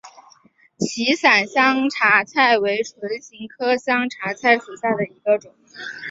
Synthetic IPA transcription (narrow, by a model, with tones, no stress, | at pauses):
t͡ɕʰi˧˥sa˨˩nɕjɑ˥ŋʈ͡ʂʰa˧˥t͡sʰa˥˩ɪwe˧˥ɪʈ͡ʂʰwə˧˥nɕi˧˥ŋkʰɤ˥ɕjɑ˥ŋʈ͡ʂʰa˧˥t͡sʰa˥˩ɪt͡sʰu˨˩ɕja˥˩d̪ə˩i˧˥ɡə˧ʈ͡ʂʊ˨˩˦ŋ